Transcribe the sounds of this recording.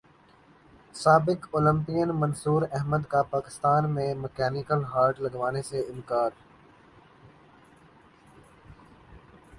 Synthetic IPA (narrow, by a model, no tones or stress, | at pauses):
saːbɪkoːlə̃mpijənmənsuːɾɛɦməd̪kapaːkɪ̥st̪aːnmẽməkɛːnɪkəlɦaːɾʈlɐɡʋaːneseɪmkaːd̪